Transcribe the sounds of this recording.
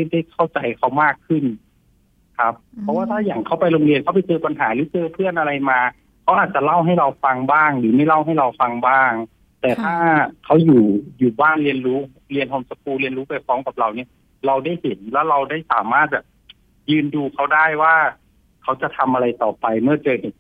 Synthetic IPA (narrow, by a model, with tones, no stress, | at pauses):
da˥˩jkʰa˥˩wt͡ɕa˧jkʰa˦˥wmaː˥˩kʰːɯ˥˩n | kʰa˦˥p̚ʰːɔ˧˦waː˥˩t̪ʰaː˥˩ja˨˩ŋkʰa˥˩wpa˧jɾoː˧ŋli˧nkʰa˦˩pa˧˦jt͡ɕɤː˧pa˧nɦaː˩˦lɯː˩˦t͡ɕɤː˧pʰɯ˥˩ənʔa˧ɾa˧jmaː˧ | kʰa˦˥wʔaː˨˩t̪̚t͡ɕa˨˩la˥˩wɦa˥˩jɾa˧wfa˧ŋbaː˥˩ŋlɯː˩˦ma˥˩jla˥˩wɦa˥˩jɾa˧wfa˧ŋbaː˥˩ŋ | t̪ɛː˨˩t̪ʰaː˥˩kʰa˦˥wjuː˨˩juː˨˩baː˥˩nli˧ənɾuː˦˥ | li˧ənɦo˧msa˧k̚ʰuː˧li˧ənɾuː˦˥pa˧jkʰɔː˦˥ŋka˨˩p̚ɾa˧wni˥˩ɐ | ɾa˧wda˥˩jhe˩˦nlɛː˦˥˩wɾa˧wdaː˥˩jsa̰ː˩˦maː˥˩t̪̚bɛː˨˩p̚ | jɯː˧nduː˧kʰa˦˥wdaː˥˩jwaː˥˩ | kʰa˦˥wt͡ɕa˨˩t̪ʰa˧mʔa˧ɾa˧jt̪ɔː˨˩pa˧jmɯ˥˩ɐt͡ɕɤː˧he˨˩